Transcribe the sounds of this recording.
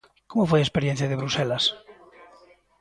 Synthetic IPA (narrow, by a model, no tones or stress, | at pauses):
komofwejespeɾjen̟θjaðeβɾuselas